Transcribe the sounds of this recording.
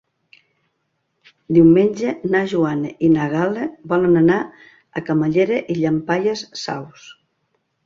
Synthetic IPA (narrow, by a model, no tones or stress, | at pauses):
d̪iwmeɲʲd͡ʒenaʒuaneinaɣalebɔlenana | akamaʎeɾeʔiʎampaʎesːa̰ws